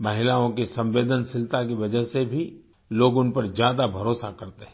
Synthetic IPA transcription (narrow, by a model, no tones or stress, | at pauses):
mɐɦɪlaːõkisɐ̃mʋeːd̪ənsɪlt̪ak̬iʋɐd͡ʒəɦsebʱi | loːɡʊnpɐɾd͡ʒjaːd̪abʱɐɾoːsakɐɾt̪eɦɛ̃